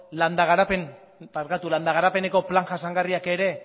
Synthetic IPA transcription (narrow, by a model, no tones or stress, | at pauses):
land̪aɣ̞aɾapen | paɾkat̪uland̪aɣaɾape̞ne̞ko̞plaŋʝasaŋɡariake̞ɾe̞